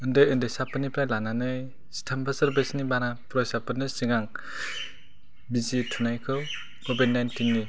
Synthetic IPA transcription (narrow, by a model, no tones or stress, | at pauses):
ɯndɯjɯndɯjsapɯnipɾajlananɯj | stʰambasɯɾbesnibanapɾɔjsapɯnɯsiŋaŋ | bizitʰunajkʰɯw | kʰobid̚najntinːi